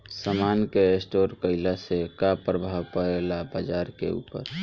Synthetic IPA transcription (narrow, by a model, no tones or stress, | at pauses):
səmankeesʈoɾkəɪlasekapɾəbʱawpəɾelabad͡ʒaɾkḛṵːpə̰ɾ